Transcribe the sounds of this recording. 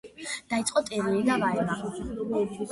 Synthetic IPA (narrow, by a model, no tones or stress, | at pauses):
d̪̥ait̪sʼqʼɔt̪ʼɛɾiid̪avaɛma